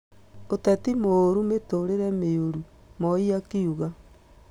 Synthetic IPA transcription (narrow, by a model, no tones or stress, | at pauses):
otɛtimoɾumetoɾeɾɛmeoɾu | mɔiakiuɣa